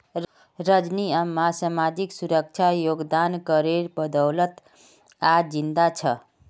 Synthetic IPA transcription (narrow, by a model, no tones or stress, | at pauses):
ɾəd͡ʒniamasamad͡ʒiksuɾək̚t͡ʃʰajoɡd̪ankəɾeɾbəd̪əwlət̪ | ad͡ʒind̪at͡ʃʰə